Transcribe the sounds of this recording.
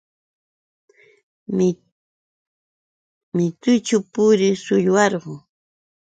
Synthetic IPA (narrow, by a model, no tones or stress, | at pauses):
mɪt̪ʊjt͡ʃʊpʊɾɪsʊʎwɑɾɢʊ